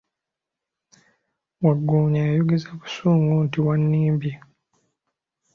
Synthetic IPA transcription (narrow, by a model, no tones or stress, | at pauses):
waɡːuːɲajuɡizaβu̥suːŋɡuntiwanːiːmbi